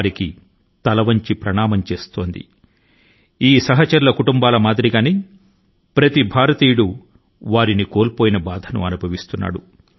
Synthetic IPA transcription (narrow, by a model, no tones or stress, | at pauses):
ɾiki | t̪ɐlɐʋɐɲt͡ʃipɾɐɳaːmɐmt͡ʃe̞ːst̪o̞ːnd̪ḭ | iːsɐɦɐt͡ʃɐɾulɐkuʈumbaːlɐmaːd̪ɾiɡaːneː | pɾɐt̪ibʱaːɾɐt̪iːjuɽu | ʋaːɾiniko̞ːlpoːjinɐbaːd̪ʱɐnṵɐnubʱɐʋist̪unːa̰ːɽu